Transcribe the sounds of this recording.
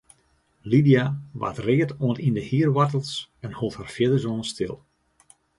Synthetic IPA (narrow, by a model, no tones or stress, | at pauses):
lidijaʋa̰trɪːətoənindəhiərʋatəlˠsɛnhulˠthaːrfjɪdəzonəstɪ̰lˠ